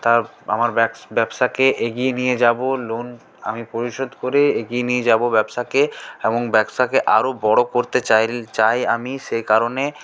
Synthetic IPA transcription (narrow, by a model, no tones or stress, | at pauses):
t̪aɾ | a̰maɾbɛksbɛbʃakeʔeɡienijed͡ʑabolon | a̰mipoɾiʃod̪ʱkoɾeeɡijenijed͡ʑabobɛbʃakeeboŋbɛkst̪akeʔaɾobɔɽokoɾt̪et͡ɕajt͡ɕajamiʃejkaɾone